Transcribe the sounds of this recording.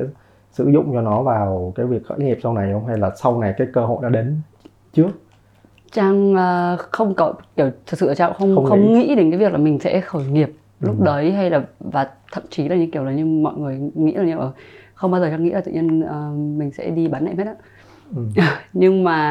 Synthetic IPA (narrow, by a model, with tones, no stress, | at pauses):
sɛ̰˧˥ | sɨ̰˧˥zʊ̰˧˨ŋ͡mt͡ɕɔ˧nɔ˨˦vaː˨˩wkaː˨˦jvi˨˩ək̚xə̰ː˧˥ŋi˨˩əp̚sa˧wna˨˩jə˨˦wŋ͡mɦa˧jlaː˨˩sa˧wna˨˩jkaː˨˦jkəː˧hɦo̰˧˨jnɔ˨˦ɗe˨˦n | t͡ɕɨ˦˥ək̚ | t͡ɕaː˧ŋʔəː˨˩xə˧wŋ͡mkɔ˨˦ki˧˩əwt̪ʰɨ˨˩k̚sɨ̰ː˧˨˧t͡ɕaː˧xə˧wŋ͡mxə˧wŋ͡mŋḭ˧˥ɗe˨˦nkaː˨˦vk̚laː˨˩mï˨˩ŋ̟sɛ̰˧˥xəː˧˩jŋi˨˩əp̚ | lʊ˦˥k͡p̚ɗə˨˦jɦa˧jlaː˨˩vaː˨˩t̪ʰə̰˧˨mt͡ɕi˨˦laː˨˩ɲɨ̰˧ŋki˧˩əwlaː˨˩ɲɨ˧ŋmɔ̰˧˨jŋɨ˨˩əjŋḭ˧˥za˨˩ɲ˨˧˩ʔəː˧˩xə˧wŋ͡mɓaː˧wzə˨˩t͡ɕaː˧ŋːḭ˧˥aː˨˩t̪ːɲ˧ənʔəː˨˩mï˨˩ŋ̟sɛ̰˧˥ɗi˧ɓaː˨˦nːa̰˧˨m˦˥t̚ʔaː˧˥˨ | ʔə˨˩ɲɨ˧ŋmaː˨˩